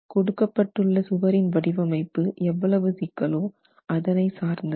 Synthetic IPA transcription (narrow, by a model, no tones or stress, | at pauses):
kɔɽɯkːɐpːɐʈːɯɭːɐsʊʋɐɾɪnʋɐɽɪʋɐmɐɪpːɯʔɛʋːɐɭɐʋɯsɪkːɐloː | ʔɐðɐnɐɪsaːɾnd̪ɐ